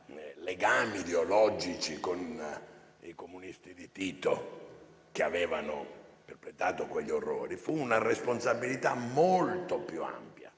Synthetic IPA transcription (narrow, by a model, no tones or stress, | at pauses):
leɡaːmid̪eolɔd͡ʒit͡ʃikon | ikomunist̪id̪it̪iːt̪o | k̟eavɛːvano̰ | p̪erpɾet̪aːt̪okweʎːorːo̰ːɾifuːnaresponsabːilit̪amolt̪opjua̰mpja̰